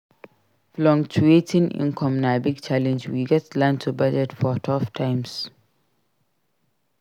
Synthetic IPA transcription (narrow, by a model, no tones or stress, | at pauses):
flɔ̃ŋkt͡ʃuetĩnḭ̃nkʰɔ̃mnabiɡt͡ʃalɛ̃nd͡ʒwiɡɛtlãntʰubad͡ʒɛtfɔtʰɔftʰãɪms